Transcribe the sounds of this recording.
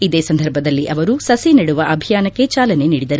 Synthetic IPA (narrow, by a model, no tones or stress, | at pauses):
id̪eːsɐnd̪ʱɐɾbʱɐd̪ɐlːiʔɐʋɐɾusɐsiniɽuʋɐʔɐbʱijaːnɐkːe̞t͡ʃaːlɐne̞niːɽid̪ɐɾu